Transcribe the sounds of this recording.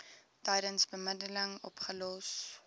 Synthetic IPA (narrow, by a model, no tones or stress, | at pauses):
tɐjdənsbəmədələŋɔ̰pχəlɔs